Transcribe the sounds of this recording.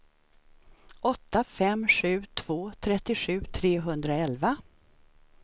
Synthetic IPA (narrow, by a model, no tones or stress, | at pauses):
ʔɔt̪ːafɛmɧʉ̟ːt̪ʰv̥oːt̪ʰɾɛt̪ːɪɧʉ̟ːt̪ʰɾeːɦɵnd̪ɾaɛlva